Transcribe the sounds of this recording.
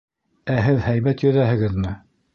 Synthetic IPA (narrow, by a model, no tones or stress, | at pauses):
æɦɘðhæjmæt̪jɵ̆ðæhɘ̆ɡɘðmɘ